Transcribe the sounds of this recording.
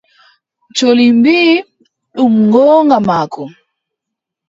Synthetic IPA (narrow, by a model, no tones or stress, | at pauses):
t͡ʃolimbiː | ɗumŋɡɔːŋɡamakɔ